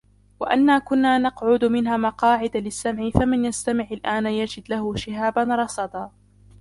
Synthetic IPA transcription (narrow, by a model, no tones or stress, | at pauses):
waʔanːaːkʊnːaːnɑqʕʊd̪mɪnɦaːmɑqɑːʕɪd̪alɪsːamʕɪfamɪnjast̪amɪʕalʔaːnjad͡ʒɪd̪lahʊʃɪɦaːbanɾˤɑsˤɑd̪ɑː